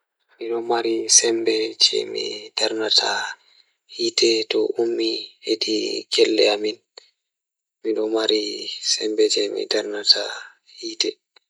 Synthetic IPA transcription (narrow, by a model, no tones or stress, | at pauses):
miɗɔmaɾisɛmbɛt͡ʃɛ̰mḭd̥aɾnatʰa | hiːtɛtɔumːihediɡɛlːɛ̰amin | miɗɔmaɾisɛmbɛd͡ʒɛmḭdaɾnatʰa | hiːtɛ